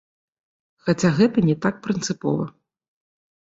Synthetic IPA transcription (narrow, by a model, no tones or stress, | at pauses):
xat͡sʲaɣɛt̪ɐnʲɛt̪ak̚pɾɨnt̪sɨpɔvɐ